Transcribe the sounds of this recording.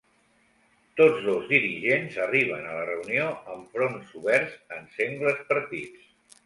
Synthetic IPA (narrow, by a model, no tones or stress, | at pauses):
t̪od͡zðozðiɾiʒenzəriβ̞ənələrəunioəɱfɾonsuβɛɾzənseŋɡləspəɾt̪it͡s